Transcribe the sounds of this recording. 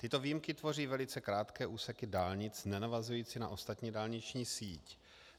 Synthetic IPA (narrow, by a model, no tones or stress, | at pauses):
t̪ɪt̪o̞viːjmkɪt̪vo̞riːvɛlɪt͡sɛkɾaːt̪kɛːʔuːsɛkɪdaːlɲɪt͡snɛnavazujiːt͡sɪna̰ʔo̞st̪at̪ɲiːdaːlɲɪt͡ʃɲiːsiːc